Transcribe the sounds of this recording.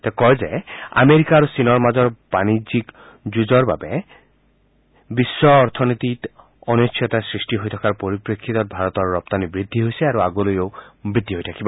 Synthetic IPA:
t̪ɛkɔɹzɛa̰meɾikaɹosinɔɹmazɔɹb̥anizik | zud͡ʒɔɹba̰bɛ | bisːɔːɾt̪ʰɔnit̪it | ɔnosʰɔt̪asɹisʈiɦojt̪ʰɔ̥kaɹpoɹipɹekʰːit̪ɔt̪̚bʱaɹɔt̪ɔɹːɔp̚t̪anibɹid̪ʱːiɦojsɛaɹuaɡolojobɹid̪ʱːiɦojtʰakibɔ

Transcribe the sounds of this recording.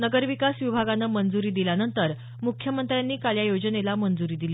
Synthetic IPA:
nəɡəɾʋikasʋibʱaɡanːəːmənd͡zuɾiːd̪iljanənt̪əɾ | mukʰjəmənt̪ɾjanːiːkaljajod͡zənelamənd͡zuɾiːd̪ili

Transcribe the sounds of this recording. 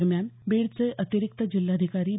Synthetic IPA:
ɾmjanbeɭt͡seʔət̪iɾik̚t̪əd͡ʑilːad̪ʱikaɾiː

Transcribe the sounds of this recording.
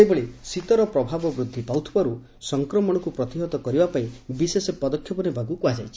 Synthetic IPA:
ebɔɭesit̪ɔɾɔpɾɔbʱabɔbɾud̪ʱːipawt̪ʰi̥baɾu | sɔŋkɾɔmɔɽ̃ɔkupɾɔt̪iɦɔt̪ɔkɔɾibapaĩbisesɔpɔd̪ɔkʰjɔpɔnebʱaɡukuad͡ʒa̰jt͡ʃʰi̥

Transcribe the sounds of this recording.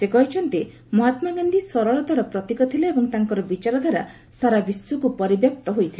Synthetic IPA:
sekɔɦit͡ʃʰɔnt̪i | mɔɦat̪maɡand̪ʱisɔɾɔɭɔd̪ʱwaɾɔpɾɔt̪ikɔt̪ʰileebɔŋt̪aŋkɔɾɔbit͡ʃaɾɔd̪ʱwaɾa̰ | saɾabisːukupɔɾibjap̚t̪ɔɦojt̪ʰile

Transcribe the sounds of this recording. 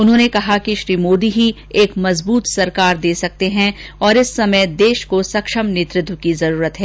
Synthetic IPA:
ʊnɦõːnekɐɦakiʃɾiːmoːd̪iɦi | eːkmɐzbuːt̪sɐɾkaːɾd̪eːsɐk̚t̪eɦɛ̃ɔːɾɪsːɐməjd̪eːʃkosɐkʃəmneːt̪ɾɪd̪wkizɐɾuːɾət̪ɦɛː

